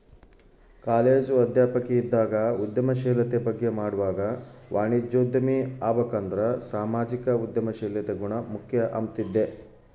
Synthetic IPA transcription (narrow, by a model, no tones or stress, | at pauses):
kaːleːd͡ʒɐd̪ʱjaːpɐkːeid̪ːaːɡɐud̪jɐmɐʃɛːlɐt̪ebɐɡːe̞maːɽuʋaːɡɐʋaːɳid͡ʒoːd̪ːɐmiaːbɐkɐnd̪ɾɐsaːmaːd͡ʒikɐud̪jɐmɐʃɛːlet̪eɡuɳɐmukʰjɐʔɐ̰mt̪id̪ːe